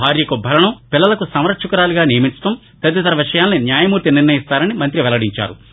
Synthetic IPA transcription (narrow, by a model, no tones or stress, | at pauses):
aːɾjɐkubʱɐlɐɳɐpilːɐlɐkusɐmɾɐʈʂukɐɾaːluɡaːnijɐmisɐt̪ɐm | t̪ɐd̪ːit̪ɐɾɐʋiʂɐjaːlninjaːjɐmuːɾt̪iniɾnɐjist̪aːɾɐnimɐnt̪ɾiʋɛlɐɽiɲt͡ʃa̰ːɾu